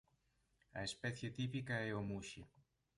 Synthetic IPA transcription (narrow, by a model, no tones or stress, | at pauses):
ɐ̰espɛθjet̪ipikɐɛomuʃe